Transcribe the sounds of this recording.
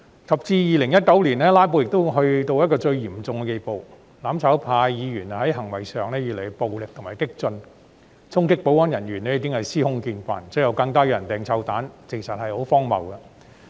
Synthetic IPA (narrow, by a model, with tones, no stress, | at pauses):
kʰɐ˨p̚t͡siː˧jiː˨˩lɪ˨˩ŋjɐ˥t̚kɐ˨˥wliː˨˩nlɛː˥laː˥p̬o˧wjɪ˨k̚t̪ʊ˥ɦɵ˧ɥt̪o˧wjɐ˥t̚kɔː˧t͡ʃɵ˧ɥjiː˨˩mt͡sʊ˨˧ŋkɛ˧ke˧jpo˨˧w | laː˨˥mt͡sʰɐː˨˥wpʰaː˧jiː˨˧jyː˨˩nhɐ˨˥jɦɐ˨˩ŋwɐ˨˩jsœː˨ŋnɛː˥jyː˨le˨˩po˨wlɪ˨k̚t̪ʰmaː˨˩jt̪ɪ˥k̚t͡sɵ˧n | t͡sʰʊ˥ŋkɪ˥k̚po˨˥wɔː˥njɐ˨˩nɥyː˨˩nɛː˥i˧k̪̬ɪ˥ŋhɐ˨jsiː˥hʊ˥ŋkiː˧nkʷa̰ː˨nt͡sɵː˨˥jɐ˧wkɐ˧ŋt̪ɔː˥jːjɐ˨˩nt̪ɛː˨ŋt͡sʰɐ˧wt̪aː˨˥nt͡se˨˩ŋsɐ˨t̚hɐ˨jho˨˥wfɔː˥ŋmɐ̰˨wkɐ˧